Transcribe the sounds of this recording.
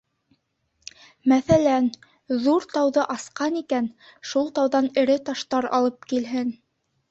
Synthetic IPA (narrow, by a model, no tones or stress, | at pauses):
mæθælæn | ðuɾt̪ɑwðɤʔɑsqɑnikænʃulˠt̪ɑwðɑnɘ̆ɾɘt̪ɑʃt̪ɑɾɑ̰lˠɤp̚kilɦɘn